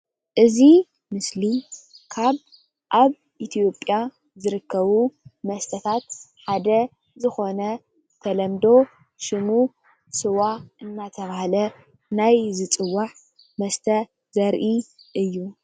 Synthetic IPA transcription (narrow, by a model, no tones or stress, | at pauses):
ʔɨzi | mɨsli | kʰaβ | ʔaβ | ʔit̪ʰijo̞pʼja | zɨɾɨkːɐβumɐst̪ʰɐt̪ʰat̪ħad̪ɐ | zɨxo̞nɐ | t̪ʰɐlɐmd̪o̞ | ʃɨmu | sɨwaʔɨnːat̪ʰɐβahalɐ | najzɨt͡sʼɨwːaʕ | mɐst̪ʰɐ | zɐɾʔiʔɨjːu